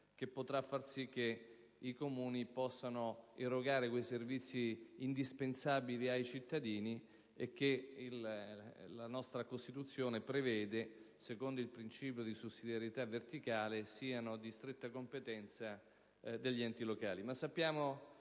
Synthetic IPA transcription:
k̟epːot̪ɾafːarsik̟ːe | ikomuːnipɔsːanoirːoɡaːɾekwejservit̪sːiːnd̪ispensabiliajt͡ʃit̪ːad̪iːni | ek̟ːeil | lanɔst̪ɾakost̪it̪ut̪sːjoːnepɾevɛːd̪esekond̪oilpɾint͡ʃiːpjod̪isusːid̪jaɾjet̪avːert̪ikaːlesiːanod̪ist̪ɾet̪ːakompet̪ɛnt̪sa | d̪eʎːiɛnt̪iloka̰ːlimasːapːjaːmo

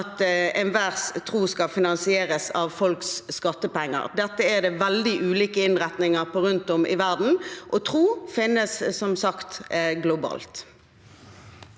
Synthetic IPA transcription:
t̪ɛnʋæʁst̪ʰʁuːskɑfɪnɑnsɪeːʁəsɑʋfɔlksːkɑt̪ːəpɛŋːə̰ʁd̪ɛt̪ːəɛd̪ɛʋɛld̪ɪʔʉːliːkəɪnʁɛt̪nɪŋəʁpʰɔʁʉnt̪ɔmɪ̰ʋæʁd̪n̩ʔɔt̪ʰʁuːfɪnːəsːɔmsɑkt̪ɡlʊbɑ̰ːlt̪

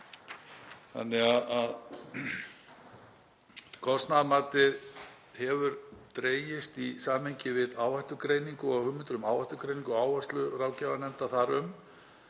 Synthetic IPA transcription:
θa̰nːɛɣaðað | kʰɔst̪naðmaːt̪ɪ | hɛvʏɾt̪ɾeːjɪst̪isaːmhejɲcɪvɪðaːwaht̪ʏkɾejniŋkʏɔɣhʏmːɪnt̪ɾʏmaːwvajht̪ʏɾkɾeːjniŋkɔaːwvast̪lʏɾaːwcavanɛnt̪aθaɾʏm

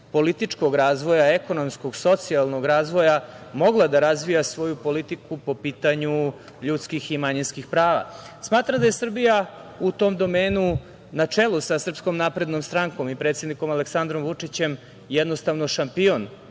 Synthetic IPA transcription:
po̞lit̪it͡ʂko̞ɡɾaːzʋo̞jaeko̞no̞mskoɡso̞t̪sialˠnoɡɾaːzʋo̞jamo̞ɡlˠad̪aɾazʋijasʋo̞jupo̞lit̪ikupo̞piːt̪aɲu | ʎuːt̪skiximaɲinskixpɾaːʋa̰ | smaːt̪ɾamd̪aje̞sr̩bijaut̪o̞ːmd̪o̞meːnu | nat͡ʂelusasr̩psko̞mnaːpɾe̞d̪no̞mst̪ɾaŋko̞mipɾe̞t̪sʲed̪niko̞maleksand̪ɾo̞mʋut͡ʂit͡ɕe̞m | jɛd̪no̞st̪aʋnoʃampio̞n

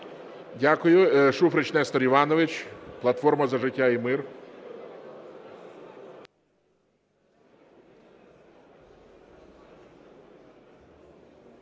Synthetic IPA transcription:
dʲakʊjʊʃufɾɪt͡ʃnɛst̪ɔɾiʋɑnɔʋɪt͡ʃʲplˠɐt̪fɔrmɐzɐʒɪtʲːaimɪr

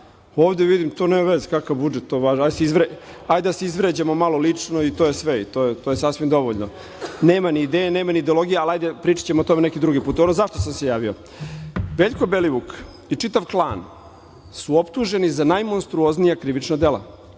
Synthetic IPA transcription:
oːʋd̪eʋid̪imt̪o̞neːmaʋezkakaʋbud͡ʒet̪ːoʋaːʒaseizʋɾe | ajd̪easeizʋɾed͡ʑamo̞malo̞lit͡ʂno̞it̪ojesʋeit̪ojet̪o̞jesasʋimd̪o̞ʋoʎno | ne̞ːmaniːd̪eːjeneːmaniːd̪eolˠo̞ɡijaalajd̪epɾiːt͡ʃḁt͡ɕemot̪o̞menekid̪ɾuɡipuːt̪o̞nozaʃt̪osamse̞jaːʋio̞̰ | ʋeʎko̞beliʋuk | it͡ʂit̪aʋklˠaːn | suo̞pt̪uʒe̞nizanajmo̞nst̪ɾuo̞znijakɾiʋit͡ʂnad̪ela̰

